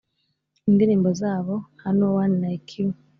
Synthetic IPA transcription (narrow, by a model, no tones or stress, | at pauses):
indiɾiːmbozaːβo̞hanowaninaikʰiŋ